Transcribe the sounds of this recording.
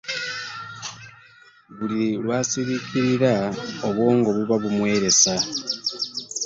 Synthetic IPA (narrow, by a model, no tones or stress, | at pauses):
βulilwaːsiβiciɾiɾaoβwo̞ːŋɡo̞βuβaβumwe̞ːɾe̞sa